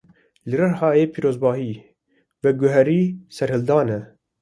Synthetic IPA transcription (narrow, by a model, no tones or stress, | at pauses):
lɨrɨɾhɑːeːpʰiːɾoːzbɑːɦiː | vɛɡʊɦɛɾiːsɛɾhɨld̪ɑːnɛ